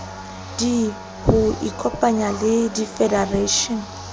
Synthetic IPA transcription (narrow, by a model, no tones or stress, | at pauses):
d̥i | hʊikʰɔpʼaɲalɪdifɛdareʃɔn